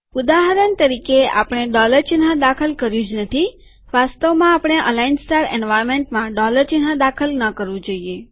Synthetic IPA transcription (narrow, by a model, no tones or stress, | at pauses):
ud̪aɦəɾənt̪əɾikea̰pɽ̃eɖɔləɾt͡ʃɪnɦãd̪akʰəlkəɾjũd͡ʒnət̪ʰi | ʋast̪omãapɽ̃eʔə̰lainsʈaɾɛnʋajɾmẽɳʈmãɖɔləɾt͡ʃɪnɦãd̪akʰəlnəkəɾʋũd͡ʒoie